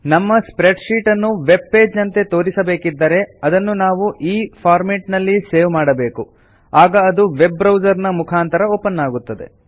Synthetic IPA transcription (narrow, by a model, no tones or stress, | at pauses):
nɐmːɐspɾeɖʃiːʈɐnːuʋe̞b̚pe̞ːd͡ʒnɐnt̪e̞t̪o̞ːɾisɐbe̞ːkid̪ːɐɾe̞ɐd̪ɐnːunaːʋuʔiːpʰaːɾmeʈnɐlːise̞ːʋmaːɽɐbe̞ːku | aːɡɐːd̪uʋe̞bːɾɐwd͡ʒɐɾnɐmukʰaːnt̪ɐɾɐoːpɐnːaːɡut̪ːɐd̪e̞̰